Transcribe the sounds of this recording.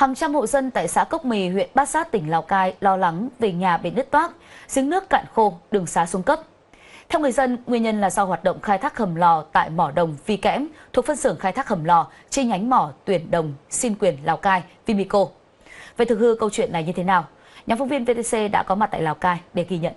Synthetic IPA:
haː˨˩ŋt͡ɕa˧mho̰˧˨zə˧nt̪a̰ː˧˨jsa̰ː˧˥kə˦˥wk͡p̚mi˨˩ɦwḭ˧˨ənɓaː˦˥t̚saː˦˥t̚t̪ï˧˩ŋ̟laː˨˩wkaː˧jlɔ˧la˨˦ŋve˨˩ɲaː˨˩ɓḛ˧˩nɗɨ˦˥k̚t̪waː˦˥k̚z̥i˨˦əŋnɨ˦˥əkːa̰ː˧˨nxo˧ɗɨ˨˩əŋsaː˨˦su˨˦ŋkə˦˥p̚ | t̪ʰɛ˧wŋɨ˨˩əjzə˧nŋwi˧ənɲə˧nlaː˨˩zɔ˧whwaː˨˩t̚ɗə̰˧˨wŋ͡mxaː˧jt̪ʰaː˦˥k̚hə˨˩mlɔ˨˩t̪a̰ː˧˨jmɔ˧˩ɗə˨˩wŋ͡mvi˧˩kɛ̰˧˥mt̪ʰu˨˩ək̚fə˧nsɨ˧˩əŋxaː˧jt̪ʰaː˦˥k̚hə˨˩mlɔ˨˩ | t͡ɕe˧nɲa˨˦jŋ̟mɔ˧˩t̪wi˧˩ənɗə˨˩wŋ͡msi˧nkwi˨˩ənlaː˨˩wkaː˧jvi˧mi˧ko˧ | ve˨˩t̪ʰɨ˨˩khɨ˧kə˧wt͡ɕwḭ˧˨ənːa˨˩jɲɨ˧t̪ʰe˨˦naː˨˩w | ɲaː˨˩mfə˧wŋ͡mvi˧ənve˧t̪e˧se˧ɗa̰ː˧˥kɔ˨˦m˨˩t̪̚ːlaː˨˩wkaː˧jɗe˧˩ɣi˧˩ɲə̰˧˨n

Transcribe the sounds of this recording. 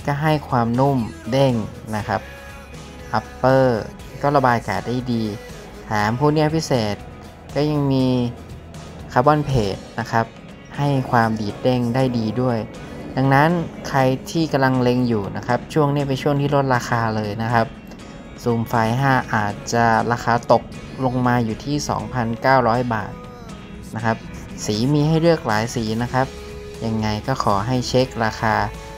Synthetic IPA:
kɔː˥˩ɦa˥˩jkʰwaː˧mnu˥˩mde˥˩ŋ | na˦˥kʰa˦˥p̚ | ʔa˦˥pːɤː˥˩ | kɔː˥˩la˧baː˧jkaː˨˩da˥˩jdiː˧ | t̪ʰaː˨˩˦mpʰuː˧˥˨niː˧˥˩pʰi˦˥seː˨˩t̪̚ | kɔː˥˩ja˧ŋmiː˧ | kʰaː˧˩bɔː˧˥˩npʰeː˨˩t̪̚na˦˥kʰa˦˥p̚ | ha˥˩jkʰwaː˧mdiː˨˩t̪̚de˥˩ŋdaː˥˩jdiː˧du˥˩əj | da˧ŋna˦˥nkʰa˧jt̪ʰiː˥˩ka˧mla˧ŋle˧ŋjuː˨˩na˦˥kʰa˦˥p̚t͡ɕʰu˥˩əŋniː˦˥˩p̬e˧nt͡ɕʰu˥˩əŋt̪ʰiː˥˩lo˦˥t̪̚ɾaː˧xaː˧lɤː˧jna˦˥kʰa˦˥p̚ | suː˨˩mfaː˧jɦaː˥˩ʔaː˨˩t̪̚t͡ɕa˨˩ɾaː˧xaː˧t̪o˨˩k̚ | lo˧ŋmaː˧juː˨˩t̪ʰiː˥˩sɔ̰ː˩˦ŋpʰa˧nkaː˥˩wɾɔː˦˥jba̰ː˨˩t̪̚ | na˦˥kʰa˦˥p̚ | siː˩˦miː˧ɦa˥˩jɾɯ˥˩ək̚laː˨˩˦jsiː˩˦na˦˥kʰa˦˥p̚ | ja˧ŋːa˧jkɔː˥˩xʰɔː˩˦ɦa˥˩jt͡ɕʰe˦˥k̚ɾaː˧xʰaː˧

